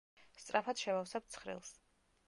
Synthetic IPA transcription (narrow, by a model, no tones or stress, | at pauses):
st̪sʼɾapʰad̪ʃɛmafsɛp̚t̪sʰχɾḭlˠs